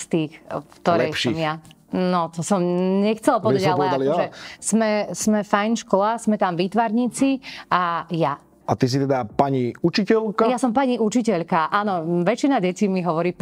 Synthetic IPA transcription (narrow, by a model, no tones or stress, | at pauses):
st̪iːxkt̪ɔɾlɛjʃsiɔmja | nɔt̪ɔsɔmɲɛxt͡sɛlˠpɔɛalpɛɛaalɔʒɛsmɛsmɛfajnʃkɔlasmɛt̪amʋiːt̪ʋaɾɲiːt͡siaja | at̪is̬it̪ɛd̪apaɲiut͡ʃicɛlkajjasɔmpaɲiʔut͡ʃicɛʎkaʔaːnɔʋɛt͡ʃinaɟɛcimiɦɔʋɔɾiː